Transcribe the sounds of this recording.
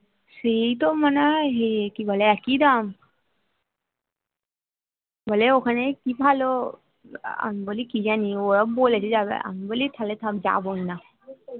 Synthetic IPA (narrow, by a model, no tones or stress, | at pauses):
sejt̪omanaɦekibʱaleɛkid̪am | bʱaleokʰanekibʱalo | a̰mibolikid͡ʑanioɾabolet͡ʃʰed͡ʒabḛa̰mibolit̪ʰalet̪ʰapd͡ʒa̰bɔina